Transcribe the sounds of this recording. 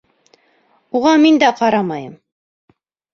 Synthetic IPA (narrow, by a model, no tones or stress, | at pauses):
uʁɑmind̪æqɑɾɑmɑjɤ̰m